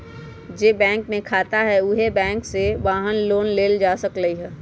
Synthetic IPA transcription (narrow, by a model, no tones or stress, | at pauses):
d͡ʒeːbɛ̃ːŋkmẽkʰaːt̪aɦɛʊɦebɛ̃ːŋksebaːɦənloːnleːld͡ʒaːsəkləiɦɛː